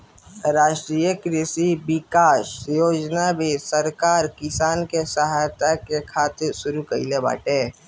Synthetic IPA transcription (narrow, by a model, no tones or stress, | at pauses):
ɾaːʃʈɾiːjəkɾɪsibɪkaːʃjoːd͡ʒnabʱisəɾkaːɾkɪsaːnkesəɦat̪akekʰaːt̪ɪɾsʊɾukəileba̰ːʈeː